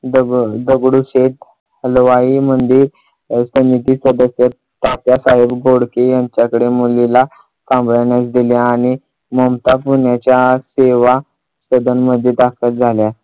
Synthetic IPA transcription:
d̪əɡd̪əɡɽuset̪̚ | əlʋaimənd̪iːɾ | səmit̪iːsəd̪əsjət̪ | t̪ːap̪jasaɦebɡʱoɽkejaɲt͡ɕjakəɽemulila | kãmblaɳjasd̪iljaːɽ̃i | məmt̪apuɳjat͡ɕjaseʋa | səd̪ənməd̪ʱːjet̪akʰət̪̚d͡zʱalja

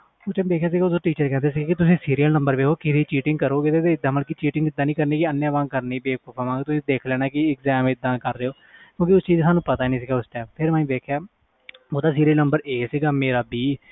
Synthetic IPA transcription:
ʊsʈɛ̃ːmbeːkʰjaːs̬iːɡaoːsoːʈiːt͡ʃəɾkɛ̃ːnd̪eːs̬iɡaːkɪt̪ʊsĩːsiːɾiːəlnəmbəɾʋeːkʰoːkɪsiːt͡ʃiːʈɪ̃ŋɡkəɾoːʋeːd̪eːt̪eːɪd̪ːãːməlkit͡ʃiːʈɪŋɡɪd̪ːãːnĩːkəɾniːkɪənːjãːʋãːkəɾniːbeːpəpʰəmãːkt̪ʊsĩːd̪eːkʰlɛːñaːkɪɪkzɛːmɪd̪ːãːkəɾːeːoː | kjõːkiʊst͡ʃiːd͡ʒsaːnũːpət̪aːnĩːsɪɡaːʊsʈɛ̃ːmpʰɪɾmãːĩːbeːkʰjaː | oːd̪aːsiːɾiəlnəmbəɾeːsiːɡaːmeːɾaːbiː

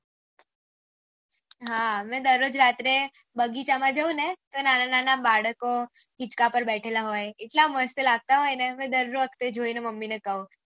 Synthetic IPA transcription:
ɦamẽd̪əɾːod͡ʒɾat̪ɾe | bəɡit͡ɕamãd͡ʒəunet̪onanananabaɽəko | ɦit͡ʃkapəɾbɛʈʰelaɦojeʈlaməst̪əlaɡ̚t̪aɦojnemẽd̪əɾuɾʋəkʰt̪ed͡ʒʱoinəməmːinekəũ

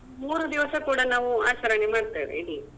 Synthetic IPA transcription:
muːɾud̪iʋɐsɐkuːɽɐnaːʋuaːt͡ʃɐɾɐɳemaːɽt̪ḭːʋḛid̪i

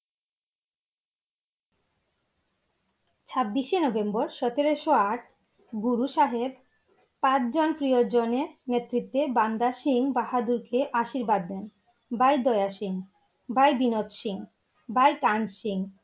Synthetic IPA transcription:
t͡ɕʰabːiʃenɔbembɔɾʃɔt̪eɾeʃoaʈ̚ʰ | ɡuɾuʃaɦeb | pãt͡ɕʰd͡ʑonpɾijod͡ʑoneɾnet̪ːɾit̪ːeband̪aʃiŋbaɦad̪uɾkeʔaʃiɾbad̪ːen | bajd̪ɔeaʃiŋ | bajbinot̪ʃiŋ | bajkand͡ʑʃiŋ

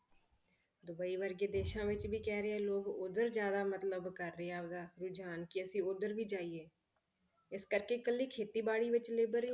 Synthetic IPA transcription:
d̪ʊbəiːʋəɾɡeːd̪eːʃãːʋɪt͡ʃbʱiːkɛːɾəɛːloːɡʊd̪əɾd͡ʒjaːd̪aːmət̪ləbkəɾːəɦeaːd̪aːɾʊd͡ʒaːnkiəsĩːʊd̪əɾbʱiːd͡ʒaːieː | ɪskəɾkeːkəlːiːkʰeːt̪iːbaːɽiːʋɪt͡ʃleːbəɾ

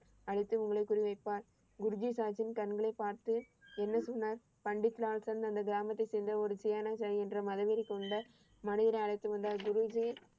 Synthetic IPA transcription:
ɐɻɪt̪ːɯʊŋɡɐɭɐɪkːʊrɪʋɐɪpːaːɾ | ɡʊɾʊd͡ʒisaːt͡ʃɪnkɐnɡɐɭɐɪpaːɾt̪ɯ | ɛnːɐsɔnːaːɾ | pɐɳɖɪt̪ːɪlaːɭsɐnɐnd̪ɐɡɪɾaːmɐt̪ːɐɪsɛjnd̪ɐɔɾɯt͡ʃɛjaːnɐt͡ʃɐliɛndrɐmɐðɐʋɪɾɪkːɯɔɳɖɐ | mɐnɪðɐɾɐɪɐɭɐɪt̪ːɯʋɐnd̪aːɾɡʊɾɯd͡ʒi

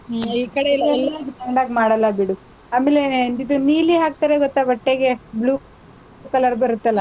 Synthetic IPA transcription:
iːkɐɽeilːɐlːaɡʈɐɳɖaːɡmaːɽɐlːɐbiɽu | aːmelend̪id̪uniːliɦaːk̚t̪aːɾeɡɔt̪ːɐʋɐʈːeɡebluː | kɐlɐɾbɐɾut̪ːɐlːɐ

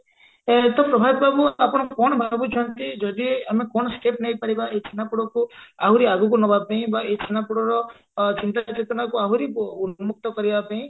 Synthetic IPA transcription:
t̪ɔpɾɔbʱabit̪babuapɔɽ̃ɔkɔɽ̃ɔbʱanɔbut͡ʃʰɔnt̪id͡ʒɔd̪iamekɔɽ̃ɔsʈepnajpaɽibaet͡ʃʰinapuɽɔkuaɦuɾiaɡukunɔbʱapaĩbaet͡ʃʰinapuɽɔɾɔ | t͡ʃint̪at͡ʃet̪ɔnakuaɦuɾiunmuk̚t̪ɔkɔɾibapaĩ

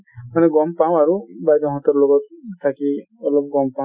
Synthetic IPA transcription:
maneɡɔmpamaɾubajd̪ɔɦɔ̃t̪ɔɾloɡɔt̪̚ʰːaki | ɔlɔb̚ɡɔmpa

